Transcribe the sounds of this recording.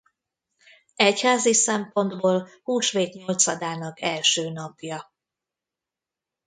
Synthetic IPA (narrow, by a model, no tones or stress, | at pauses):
ɛchaːzisɛmpo̞nd̪boːlhuːʃʋeːt̪ɲo̞lt̪sɒd̪aːnɒkɛlʃøːnɒpjɒ